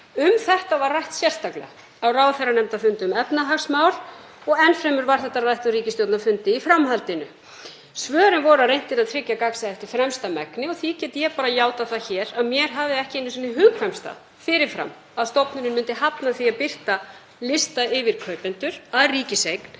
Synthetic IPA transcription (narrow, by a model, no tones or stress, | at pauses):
ʏmθɛht̪avarːajht̪sjɛr̥st̪aklɛ̰ɣa | awraːwθɛranɛmt̪afʏnt̪ʏmɛpnaɦaksmawl̥ | ɔɣɛnfɾɛjmʏɾvaɾ̥θɛht̪ːarajht̪ariːcɪst̪jowt̪nafʏnt̪ɪifɾamɦalt̪ɪnʏ | svœːɾɪnvɔɾʏaðrejn̥t̪ɪnaðt̪ʰɾɪcːakaksaɛft̪ɪɾ̥fɾɛmst̪amɛknɪɔθicɛːt̪ɪjɛpaːɾajaːwt̪aθaçɛːɾaðmjɛɾ̥ɦaːvɪɛhcɪenɪsɛnɪɦʏɣkʰvɛmst̪a̰ | fɪɾɪɾ̥fɾa̰m | aðst̪ɔpnʏɾɪnmʏnt̪ɪɦapnaθiaðpɪr̥t̪a | lɪst̪aɪvɪɾ̥kʰœːɥpɪnt̪ʏɾ̥aðriːcɪsejkn̥